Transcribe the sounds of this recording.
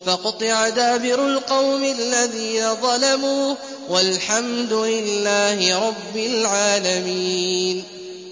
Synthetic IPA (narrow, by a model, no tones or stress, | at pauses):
fɑqʊt̪ˤɨʕad̪aːbɪɾalqɑwmɪʔalːaðiːnaðˤɑlamuːh | walħamd̪ʊlɪlːaːhɪɾˤɑbːɪlʕaːlamiːn